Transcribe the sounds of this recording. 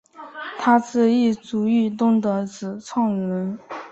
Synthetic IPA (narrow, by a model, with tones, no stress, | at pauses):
t̪ʰa˥t͡sɹ̩˥˧i˥˩t͡su˧˥y˥˩t̪̬ʊ˥ŋt̪ɤ˧˥t͡sɹ̩˨˩t͡sʰɑ˥˩ŋɻə˧˥n